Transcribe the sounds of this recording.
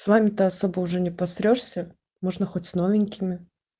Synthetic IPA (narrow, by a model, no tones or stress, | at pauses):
svamʲɪt̪ɨɐso̞bəʊʐɛnʲɪpɐsɾʲoʂsʲə | mo̞ʐnəxotʲsnovʲɪnʲkʲɪmʲɪ